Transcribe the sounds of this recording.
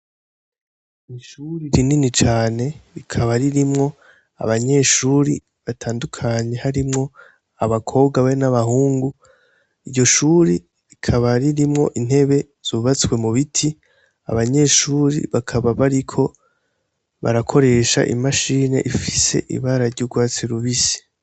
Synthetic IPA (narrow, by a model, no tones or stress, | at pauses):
iʃuɾiɾininit͡ʃaːne̞ɾikʰaβaɾiɾimŋo̞ | a̰βaɲe̞ːʃuːɾi | βatʰaːndukʰaɲe̞haɾimŋo | aβakʰo̞ːbɡaβaenaβahuːŋɡu | iɟo̞ʃuːɾi | ɾikʰaβaɾiɾimŋo̞̰ʔin̥he̞βe̞ | z̥uβat͡skwe̞muβitʰi | a̰βaɲe̞ːʃuːɾḭβakʰaβaβaɾikʰo̞ | βa̰ɾakʰo̞ɾe̞ʃa̰ʔḭmaʃine̞̰ʔifi̥se̞̰ʔḭβaɾaɾɟuɡwaːt͡seɾuβisi̥